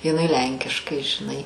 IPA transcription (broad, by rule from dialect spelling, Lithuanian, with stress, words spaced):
jɪˈnɐɪ ˈlʲɛŋʲkʲɪʃkɐɪ ʒʲɪˈnɐɪ